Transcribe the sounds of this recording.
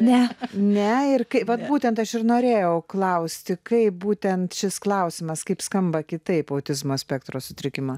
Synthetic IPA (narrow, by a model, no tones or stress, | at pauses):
nʲɛnʲɛɪrkɐɪʋɐt̪buːt̪ʲɛnt̪ɐʃɪrnoːɾʲeːjɛʊklˠɐʊsʲt̪ʲɪkɐɪp̚buːt̪ʲɛnt̪ʃʲɪsklˠɐʊsʲɪmɐskɐɪpskɐmbɐkʲɪt̪ɐɪpɐʊt̪ʲɪzmoːsʲpʲɛkt̪ɾoːsʊt̪ʲɾʲɪkʲɪmo